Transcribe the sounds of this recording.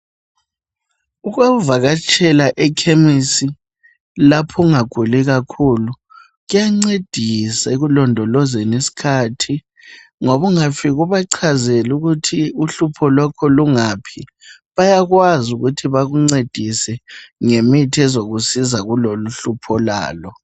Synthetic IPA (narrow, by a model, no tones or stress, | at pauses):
uɣauvaɣat͡ʃʰʼɛlaʔɛkʰemisi | lapʰɔŋaɡ̥ʱuliɣakʰuːlu | ɣujaŋ͡ǀed̥ʱisaeɣulɔndʱɔlɔzɛnisi̥kʰaːtʰi | ŋoβuŋafiɣuβaǀʰazeluɣutʰiuɬupʰɔlɔkʰɔluŋaːpʰi | βajaɣwazuɣutʰiβaɣuŋ͡ǀed̥ʱisɛŋemitʰɛzoɣusizaɣuloluɬupʰɔla̰ːlɔ